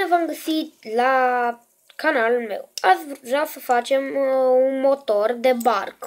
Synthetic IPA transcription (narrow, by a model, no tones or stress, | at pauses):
evamɡəsit̪la | kanalume̞̰wasvuʒasəfat͡ʃe̞munmo̞t̪o̞rd̪e̞ba̰rk